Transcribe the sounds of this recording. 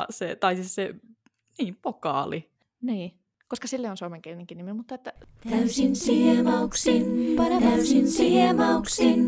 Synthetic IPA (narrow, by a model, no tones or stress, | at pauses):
set̪ɑisisse | niːmpokɑ̰ːli | niː | koskɑsilːeionsuomeŋkelineŋkiniminmut̪ːɑet̪ːæt̪æysinsimɑksinpɑneæsinsimɑuksi